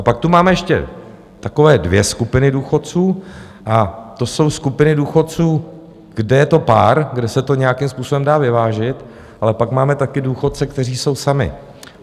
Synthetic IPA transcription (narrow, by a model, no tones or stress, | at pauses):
ʔapak̚t̪umaːmɛjɛʃcɛ̰ | t̪ako̞vɛːdvjɛskupɪnɪduːxo̞t̪t͡suː | ʔat̪o̞so̞wskupɪnɪduːxo̞t̪̚t͡suː | ɡ̥dɛjɛt̪o̞paːɾɡdɛsɛt̪o̞ɲɛjakɪmspuːso̞bɛmdaːvɪvaːʒɪt̪ | ʔalɛpakmaːmɛt̪akɪduːxo̞t̪̚t͡sɛk̚t̪ɛr̝iːso̞wsamɪ̰